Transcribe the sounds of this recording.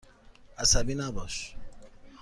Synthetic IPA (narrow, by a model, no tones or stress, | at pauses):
asabinabɔʃ